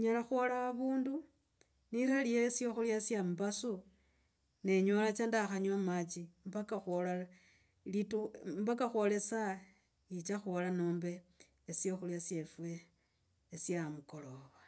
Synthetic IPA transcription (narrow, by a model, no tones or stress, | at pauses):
ɲalaxwolaaβuːndu | niɾaliesjo̞xuljasjamubasu | ne̞ɲolat͡ʃandaxaɲamat͡ʃimbakaxolala | litumbakaxwo̞le̞sa | it͡ʃaxolanoːmbe̞ː | sjoxuljasjefwe̞ː | sjamuko̞lowa